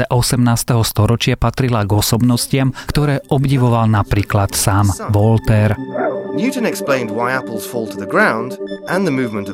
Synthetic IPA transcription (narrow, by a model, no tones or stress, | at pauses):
ɛʔɔsɛmnaːst̪ɛɦɔst̪ɔɾɔt͡ʃɪapat̪ɾilaɡɔsɔbnɔscɪamkt̪ɔɾɛːʔɔbɟiʋɔʋalnapɾiːklat̪saːmʋɔlt̪ɛɾnjʉtn̩ɛksplẽɪ̃ndwaɪapəl̩ˠz̥fɔːlˠtʰəðəɡɹãʊ̃ndʔə̃nðəmʉːvmə̃ntə